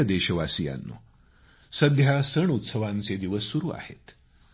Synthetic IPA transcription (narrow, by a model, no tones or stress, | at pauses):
ɐd̪eːɕɐʋaːsija̰ːnːṵ | sɐd̪jasəɳut̪səʋãːnt͡sed̪iʋəsuɾua̰ːhḛt̪